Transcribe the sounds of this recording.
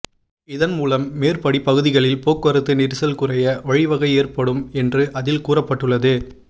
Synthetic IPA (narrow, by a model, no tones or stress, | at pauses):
ɪðɐnmuːlɐmːeːrpɐɽipɐɣɯðɪɣɐɭɪlpoːkʋɐɾɯt̪ːɯnɪɾɯsɐlkɯrɐjɐʋɐɻɪʋɐɣɐɪeːrpɐɽɯmɛndrɯʔɐðɪlkuːrɐpːɐʈːɯɭːɐðɯ